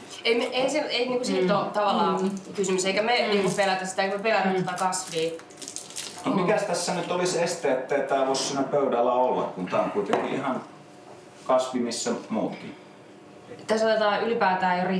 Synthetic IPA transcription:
eimeeseeiniːŋkusiːlt̪ot̪ɑʋɑlːˑɑːkysymyseikæmeniːŋkupelæt̪æssi̥t̪æeikmæpelæt̪æssi̥t̪ækɑsʋiː | nomikæst̪æsːænyt̪olisest̪eːet̪ːæit̪æːʋoˑssiːnæpøˑydælːæolːɑ̰kkunt̪æ̰ːo̰ŋkuit̪eŋkḭʔihɑn | kɑsʋimisːæmuːt̪kḭ | t̪æsot̪et̪ɑːʔylipæːt̪æːjjori

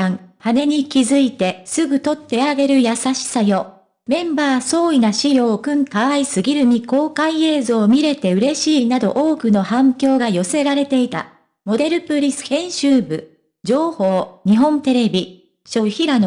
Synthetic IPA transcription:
ãŋhane̞ɲ̟ikʲizɨit̪e̞sɨɡɯ̟t̪o̞t̪ːe̞aɡe̞ɾɯ̟jasaɕi̥sajo̞ | mẽ̞mbaːso̞ːinaɕio̞kɯ̟̃ŋkaaisɨɡʲiɾɯ̟mʲiko̞ːkaie̞ːzo̞ːmʲiɾe̞t̪e̞ɯ̟ɾe̞ɕiːnad̪o̞̰ʔoːkɯ̟no̞hãŋkʲo̞ːɡajo̞se̞ɾaɾe̞t̪e̞it̪a̰ | mo̞d̪e̞ɾɯ̟pɯ̟ɾʲisɨ̥ẽ̞ɰ̃ɕɨːbɯ̟ | d͡ʑo̞ːho̞ːɲ̟iɦõ̞nt̪e̞ɾe̞bʲi | ɕo̞çiɾan

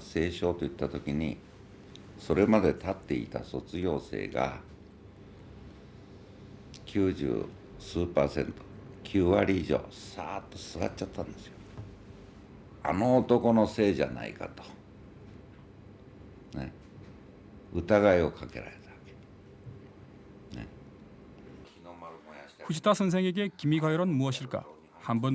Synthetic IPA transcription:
se̞ːɕo̞ːt̪o̞jɯ̟t̪ːat̪o̞kʲiɲ̟i | so̞ɾe̞mad̪e̞t̪at̪ːe̞it̪a̰so̞t͡sɨɡʲo̞ːse̞̰ːɡa̰ | kʲʰɨːʑɨ̰ː | sɨːpaːsẽ̞̰nt̪o̥kʲʰɨːβaɾʲiiʑo̞̰ːsaːt̪ːosɨβa̰t͡ɕt͡ɕat̪ːãnd̪e̞sɨjo | a̰noːt̪oko̞nose̞ːd͡ʑa̰na̰ḭka̰t̪o̥ | nḛ | ɯt̪aɡaio̞kʰake̞̰ɾa̰ɾe̞t̪ake̥ | nḛ | inomɾmojaɸuɕʰi̥t̪ʰasʰɯns̬ʰe̞ŋe̞ɡe̞kimiɡajoɾʌnmuʌɕʰiɭk͈a̰ | hambɯn

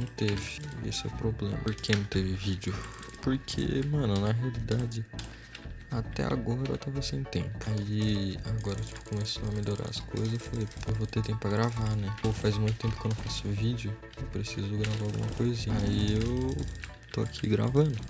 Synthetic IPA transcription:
nɐ̃w̃t̪evɪḛsʊɛ̰ʊpɾoblḛ̃mɐɾkenɐ̃w̃t̪evɪvid͡ʒʊ | poɾkʰḛmɐ̃nʊnɐɦealid̪ad͡ʒɪ | at̪ɛ̰a̰ɡɔɾɐɾ̰t̪avɐsẽt̪ẽmpʊaiaɡɔɾɐt͡ʃi̥pʊ̥kõmeso̰wɐmeʎʲoɾa̰ɾɐskʰo̰jzɐzefalejpewvot̪eɾt̪ẽpʊpɾɐɡɾavanɛewfajzmũj̃t̪ʊt̪ẽpʊ̥kd̪ewfasʊvid͡ʒʊ | ewpɾesizʊɡɾavaawɡṵ̃mɐkojzĩɲaiewt̪o̰akʰḭɡɾa̰vɐ̃nd̪ʊ

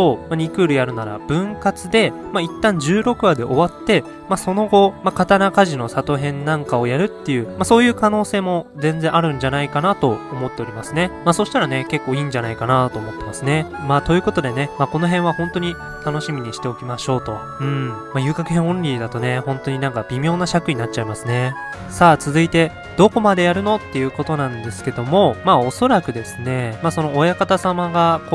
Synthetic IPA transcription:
omaɲ̟ikɯ̟ːɾɯ̟jaɾɯ̟naɾa̰b̥ɯ̟̃ŋkat͡sɨd̪e̞mait̪ːãɲ̟d͡ʑɨːɾo̞kɯ̟βad̪e̞ʔo̞βat̪ːe̞ | maso̞no̞ɡo̞makat̪anakaʑino̞sat̪o̞ɦẽ̞nːãŋkao̞jaɾɯ̟t̪ːe̞jɯ̟ːmaso̞ːjɯ̟ːkano̞ːse̞ːmo̞zẽ̞nd͡zẽ̞ɰ̃ʔaɾɯ̟̃ɲ̟d͡ʑanaikanat̪o̞ːmo̞t̪ːe̞o̞ɾʲimasɨne̞maso̞ɕi̥t̪aɾane̞ke̞kːo̞ːiːɲ̟d͡ʑanaikanat̪o̞ːmo̞t̪ːe̞masɨne̞maːt̪o̞jɯ̟ːko̞t̪o̞d̪e̞ne̞mako̞no̞ɦẽɰ̃βahõnt̪o̞ɲ̟i | t̪ano̞ɕimʲiɲ̟iɕi̥t̪e̞o̞kʲimaɕo̞ːt̪o̞ | ɯ̟̃ɴmajɯ̟ːkakɯ̟ɦẽɰ̃õ̞ɲɾʲiːd̪at̪o̞ne̞hõ̞nt̪o̞ɲ̟inãŋkab̥ʲimʲjo̞ːnaɕakɯ̟ɲ̟inatt͡ɕ̚ːaimasɨne̞ | saːt͡sɨzɨit̪e̞ | d̪̥o̞ko̞mad̪e̞jaɾɯ̟no̞t̪ːe̞jɯ̟ːko̞t̪o̞nãnd̪e̞sɨ̥ke̞d̪o̞mo̞maːo̞so̞ɾakɯ̟d̪e̞sɨne̞maːso̞no̞ːjakat̪asamaɡako

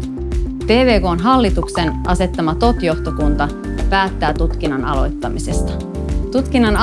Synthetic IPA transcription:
p̪e̞ːʋe̞ːko̞ːnɦɑlːit̪ukse̞nʔɑse̞t̪ːɑmɑt̪o̞t̪jo̞ht̪okunt̪ɑ | pæːt̪ːæːt̪ut̪k̟inːɑnɑ̰lo̞̰jt̪ːɑmisest̪ɑ̥ | t̪ut̪k̟inːɑn

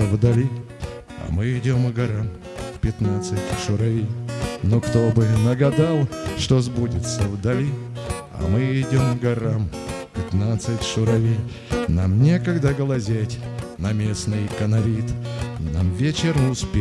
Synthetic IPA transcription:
vd̪ɐlʲi | ɐ̰mɨɪdʲomɡɐɾam | pʲɪt̪nat̪sɨtʲʂʊɾɐvʲijnokt̪obɨnəɡɐd̪alˠʂt̪ozbudʲɪt̪səvd̪ɐlʲi | ɐ̰mɨɪdʲomɡɐɾam | pʲɪt̪nat̪sɨtʲʂʊɾɐvʲij | namnʲekɐɡd̪aɡəlˠɐzʲætʲnɐmʲe̞snɨjkənɐɾʲit̪namvʲet͡ɕɪrnʊspʲ

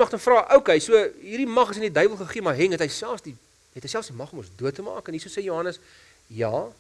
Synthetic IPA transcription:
mɐχtəmfrɑːʔəwkɛjsuəɦiːrdimɐχəs̬əndidœjbəlˠχəχiəmɑɦɛŋɦətɦəjsælˠfsdi | ɛtəjsælˠfsdimɐχɔmɔsduətːəmɑ̰ːkənisəsɛjuɦɐnəs | jɑː

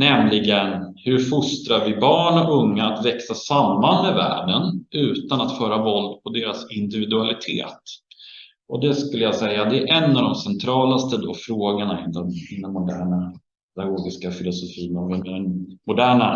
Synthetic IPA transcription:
nɛmlɪɡənhɵɾfʊst̪ɾaɾvɪbɑːɳɔɵŋːaat̪vɛksasamːanmɛvæ̰ːɖənʉ̟ːt̪anat̪fœːɾavɔld̪̚pʰɔd̪eːɾasɪnd̪ɪvɪd̪ɵalɪt̪ʰḛːt̪ | ɔd̪ɛskɵlːəjasɛjːad̪ɛːɾʔɛnːɑːvd̪ɔmsɛnt̪ʰɾɑːlast̪əd̪ɔfɾoːɡəɳaɪnd̪ɛmɪnd̪ɔmːʊd̪æːɳa | pʰɛd̪aɡoːɡɪskafɪlʊsʊfiːnɔvɪɛnmʊd̪æːɳa

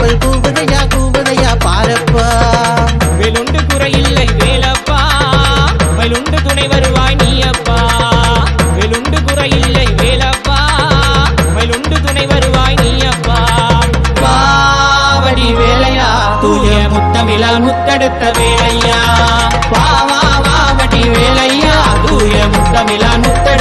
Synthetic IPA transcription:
pɐlkuːʋɯðɐjaːkuːʋɪðɐjaːpaːɾɐpːa | ʋeːlʊɳɖɯkʊɾɐjɪlːɐɪʋeːlɐpːaː | mɐlʊɳɖɯt̪̬ʊɳɐɪʋɐɾɯʋaːnijɐpːaː | ʋelʊɳɖɯkʊɾɐjɪlːɐɪʋeːlɐpːaː | mɐlʊɳɖɯt̪ʊɳɐɪʋɐɾɯʋaːjniːjɐʋːaː | paː | ʋɐɽiʋeːlɐjaː | t̪uːjjɐmʊt̪ːɐmɪlanʊt̪ːɐɽɯt̪ːɐʋeːlɐjaː | paːʋa | ʋaːʋɐɽiʋeːlɐjːaːt̪uːjɐmʊt̪ːɐmɪlanʊt̪ːɐ

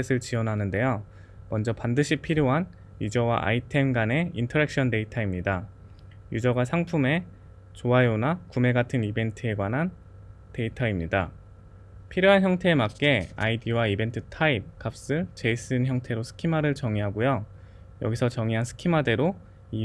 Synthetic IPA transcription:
esʰɯɭt͡ɕiʌnɦanɯnde̞jo | mʌnd͡ʑʌpandɯɕʰipʰiɾjoɦan | jud͡ʑʌwa̰ʔa̰itʰe̞mɡane̞intʰʌɾe̞k̚ɕ͈ʌnde̞itʰaimɲida | jud͡ʑʌɡasʰaŋpʰume̞ | t͡ɕoaeonakume̞ɡatʰɯnibe̞ntʰɯe̞ɡwanɦan | te̞itʰaimɲida | pʰiɾjoɦançjʌŋtʰe̞ːmak̚k͈e̞a̰idiwaibe̞ntʰɯtʰaip̚kap̚s͈ɯt͡ɕe̞is͈ɯnçjʌŋtʰe̞ɾosʰɯ̥kʰimaɾɯɭt͡ɕʌŋiɦaɡojo | jʌɡisʰʌt͡ɕʌŋiɦansʰɯ̥kʰimade̞ɾo | i

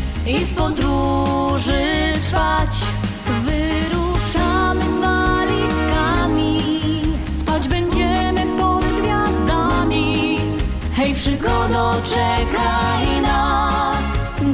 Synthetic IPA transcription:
ifpɔd̪ɾuʐɨfat͡ɕ | vɨ | ɾuʂamɘvalʲiskamʲi | spad͡ʑbɛɲd͡ʑɛmɘpɔd̪ɡvʲjazd̪amʲi | xɛjfʂɨkɔd̪ɔt͡ʂɛkajna | s

